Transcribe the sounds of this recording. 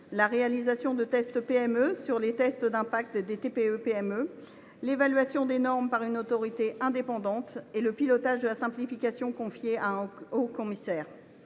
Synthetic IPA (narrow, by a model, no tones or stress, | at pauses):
laʁealizasjɔ̃d̪ət̪ɛst̪peɛmøsyʁlet̪ɛst̪d̪ɛ̃pak̚t̪d̪et̪epeøpeɛmø | levalɥasjɔ̃d̪enɔʁmpaʁynot̪ɔʁit̪eʔɛ̃d̪epɑ̃d̪ɑ̃t̪eləpilɔt̪aʒd̪əlasɛ̃plifikʲasjɔ̃kɔ̃fjeaɛ̃okɔmisɛːʁ